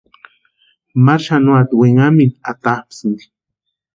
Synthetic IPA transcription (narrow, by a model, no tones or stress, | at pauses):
maɾʃanuat̪weŋaminat̪apsnd̪i̥